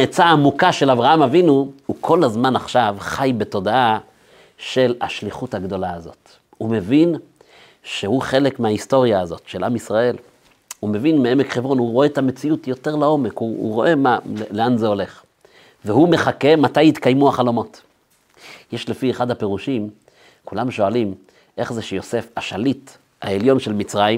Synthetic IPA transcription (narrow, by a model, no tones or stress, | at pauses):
et͡saːmukaʃe̞lavʁaamavinuhukʰo̞lazmanaχʃavχajbe̞to̞daa | ʃe̞la̰ʃliχuthaɡd̪o̞laazo̞̰t | hume̞vin | ʃehuχe̞lekmeaisto̞ʁijaːzo̞tʃe̞lʔamisʁae̞l | hume̞vinmeemekχevʁo̞nhuʁo̞e̞t̪amet͡siutjo̞te̞ʁlao̞mekhuṵʁo̞ʔe̞malle̞anze̞o̞le̞χ | veɦume̞χake̞matajit̪kajmuaχalomo̞t | jeʃlefieχad̪ape̞ʁuʃim | kulamʃo̞alim | ʔe̞χzeʃejo̞se̞faʃalit | haeljo̞nʃelmit͡sʁajim